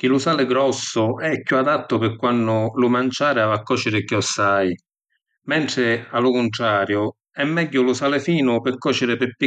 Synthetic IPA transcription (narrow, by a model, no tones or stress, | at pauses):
k̟ilʊsaːlɪɡɾɔsːʊɛkːuad̪at̪ːʊpɪkːwanːʊlʊmant͡ʃaːɾɪavakːɔːt͡ʃɪɾɪkjɔsːaj | mɛnt̪ɾɪalːʊkʊnt̪ɾaːɾjʊ | ɛmːɛɟːʊlʊsaːlɪfiːnʊpɪkːɔːt͡ʃɪɾɪpɪpːi